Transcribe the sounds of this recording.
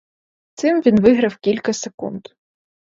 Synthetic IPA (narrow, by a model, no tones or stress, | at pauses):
t̪sɪmʋʲinʋɪɦɾɐwkʲilʲkɐsekṵnd̪